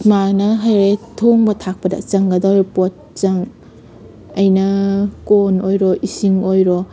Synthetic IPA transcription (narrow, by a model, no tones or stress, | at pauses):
manɐɦajɾetʰoŋbɐtʰak̚pɐdɐ̰t͡ʃɐŋɡɐdaɾipɔt̚t͡ʃɐŋ | ɐjnɐkonojɾɔʔisiŋojɾɔ